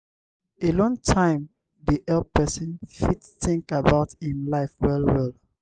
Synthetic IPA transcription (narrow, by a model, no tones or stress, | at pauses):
elɔ̃ŋtʰãɪ̃m | diʔɛlpɛsĩnfitsθĩŋkabaʊtĩnlaɪfwɛlwɛlˠ